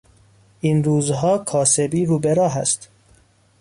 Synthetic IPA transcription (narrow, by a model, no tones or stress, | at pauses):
inɾuːzɦɒːkʰɒːsebiːɾuːbeɾɒːɦæ̰st̪